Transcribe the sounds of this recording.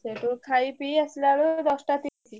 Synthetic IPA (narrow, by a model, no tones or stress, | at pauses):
seʈukʰaipiəslalod̪ɔsʈat̪isi